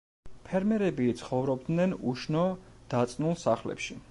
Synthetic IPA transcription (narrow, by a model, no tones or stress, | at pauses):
pʰɛɾmɛɾɛbit̪sʰχɔvɾɔb̚d̪nɛnuʃnɔd̪̥at̪sʼnulˠsaχlɛ̰pʃi